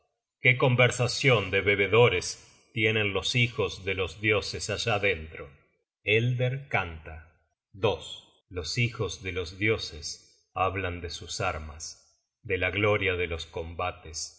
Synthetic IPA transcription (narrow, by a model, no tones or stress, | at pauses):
keko̞mbeɾsasjo̞nd̪eβe̞β̞e̞ðo̞ɾes | t̪je̞nenlo̞sixo̞zðelo̞zðjo̞sesaʒaðent̪ɾo | eld̪eɾkant̪a | d̪o̞s | losixo̞zðelo̞zðjo̞ses | aβland̪esusaɾmas | d̪elaɣlo̞ɾjaðelo̞sko̞mbat̪es